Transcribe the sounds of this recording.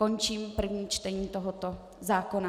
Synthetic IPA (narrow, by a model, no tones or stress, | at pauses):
ont͡ʃiːmpr̩vɲiːt͡ʃt̪ɛɲiːt̪oɦot̪o | zaːkona